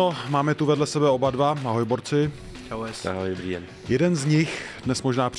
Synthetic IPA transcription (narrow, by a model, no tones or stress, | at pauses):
omaːmɛt̪uvɛdlɛsɛbɛo̞badvaʔaɦojboɾt͡sɪ | aajri | jɛdɛnzɲɪxdnɛsmoʒnaːpr